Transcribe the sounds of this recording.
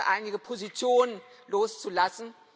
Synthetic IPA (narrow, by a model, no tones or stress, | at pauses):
ʔa̰ɪniɡəpʰozit͡sʰjoːnən | loːst͡sulasn̩